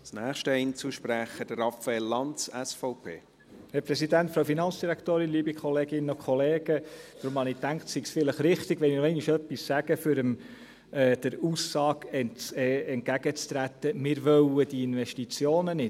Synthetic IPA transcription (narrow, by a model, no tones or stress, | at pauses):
snæːχʃtəɛnt͡suʃpɾæχəd̥əɾɑfɛelːɑnt͡sɛsfɔʊpʰḛː | hɛɾpɾɛsidænt̪fɾɑwfinɑnt͡ssd̥iɾækt̪oːɾɪnliːbikʰχɔleːɡɪnːəɔkʰχɔleːɡ̥ətɾʊmhɑnɪt̪æŋkt̪siɡsfɪləχɾɪχt̪ɪɡ̥ʋɛnɪnoɛɪnɪʃœpːissæɡ̥əfʏɾəm | ɛd̥əɾuːsːɑːkɛnɛɛnt̚kæɡ̥ət͡st̪ɾæt̪ːəmɪːɾʋœwəd̥iɪnʋɛʃtit͡sjoːnənɪ